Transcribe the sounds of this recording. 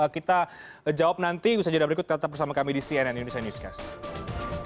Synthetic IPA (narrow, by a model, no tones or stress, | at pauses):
əkit̪a | d͡ʒawap̚nant̪iusad͡ʒudabəɾikʊt̪̚kat̪at̪apbəsamakamidisiɛnɛnindonisijanjuska̰s